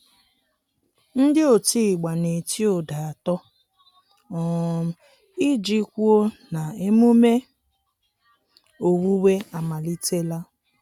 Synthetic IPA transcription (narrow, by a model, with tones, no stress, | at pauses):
n̩˦dɪ˦o˨tiː˦˨ɡ͡ba˨ne˨ti˦o˨da˨a˨tɔ˦ | ɔ˨m̩˦ | i˦d͡ʒi˦kʷu˦o˦na˨e˦mo˦me˦ | o˨wu˦we˦a˨ma˨li˦te˦la˦